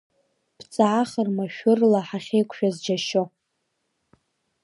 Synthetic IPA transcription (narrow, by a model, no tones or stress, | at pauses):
b̥ʰt͡sʼaʕaχərmaʃᶣʊrlaħaχʲejkʷʰʼʃᶣazd͡ʒaʃo